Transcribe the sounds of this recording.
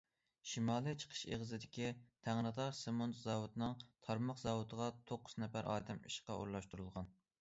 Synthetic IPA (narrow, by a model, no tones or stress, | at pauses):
ʃimɑːlˠɨt͡ʃʰə̥qʰə̥ʃḛʁzɪd̪ɪkʲit̪ʰæŋɾɨd̪ɑɾsemont̪zɑwut̪nɨŋt̪ʰɑɾmɑqzɑwut̪ʰəʁɑt̪ʰoqːʊ̥znɛfæɾʔɑ̰ːd̪ɛmiʃqɑ̰ʔṵɾlˠɑʃt̪uɾulˠʁɑn